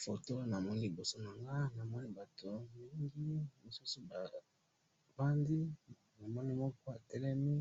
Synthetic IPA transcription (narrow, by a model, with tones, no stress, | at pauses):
fo˨to˦na˨mɔ˦ni˦li˨bo˨so˦na˨ŋɡa˦na˨mɔ˦ni˦ba˨to˨mi˨li˦ŋɡi˦mo˨su˦su˦ba˨ | ba˦ndi˦ | na˨mɔ˦ni˦mɔ˦kɔ˦a˨tɛ˦lɛ˦mi˦